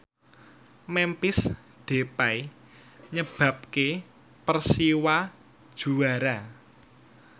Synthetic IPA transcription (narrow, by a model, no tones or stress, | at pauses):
mɛmpɪs | d̪̥e̤paj | ɲəb̥a̤p̚ke | pərsiwa | d̥ʒ̥ṳaɾa